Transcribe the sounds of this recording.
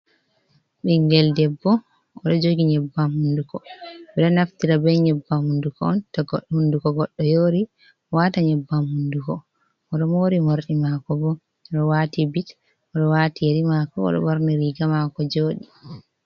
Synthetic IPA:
ɓiŋɡɛldɛbːɔ | ɔɗɔd͡ʒoɡiɲɛbːamhundukɔɓɛɗɔnaftiɾabɛɲɛbːamhundukɔ̰ɔntɔɡɔɗhundukɔɡɔɗːɔjoːɾi | waːtaɲɛbːamhundukɔ | ɔɗɔmoːɾimoɾɗimakɔbɔ | ɔɗɔwatibit | ʔɔɗɔwatijaɾimakɔɔ̰ɗɔ̰wɔɾnɛɾiɡamakɔd͡ʒoːɗi

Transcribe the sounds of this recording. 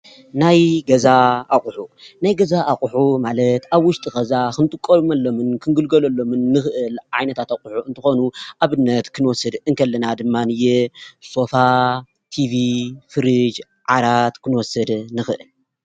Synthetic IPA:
najɡɐzaaχʼħunajɡɐzaʔaχʼʊħumalɐt̪aβwʊʃt̪ʼixɐzakɨnt̪ʼɨkʼːoβmalːo̞mɨnkʰɨŋɡɨlɡɐlɐlːo̞mɨnːɨxɨʔɨlʕa̰jnɐt̪ʰat̪akʼuħuɨnt̪ʰɨxo̞nuʔaβɨnːɐt̪kʰɨnwɔsɨd̪ɨnkʰɐlːɐnad̪ɨmːanɨjɛso̞fa | t̪ʰivifɨɾɨd͡ʒ | ʕaɾat̪kʰɨnwɔsɐd̪nɨxɨʔɨl

